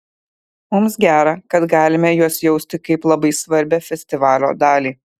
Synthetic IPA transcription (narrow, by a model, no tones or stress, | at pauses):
mʊmsɡʲæːɾɑkɐt̪ɡɑːlʲɪmʲɛjuɔsjɛʊsʲt̪ʲɪkɐɪplˠɐbɐɪsʋɐɾʲbʲɛfʲɛsʲt̪ʲɪʋɑːlʲo̰ːd̪ɑːlʲiː